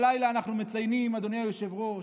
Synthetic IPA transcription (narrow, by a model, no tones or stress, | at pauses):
lajlaːnaχnume̞t͡sajnimad̪onejajoʃevʁo̞